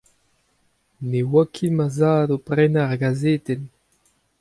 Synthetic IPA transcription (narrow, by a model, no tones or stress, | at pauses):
newakʰimazaːdopʁɛnaʁɡazeːt̪ɛn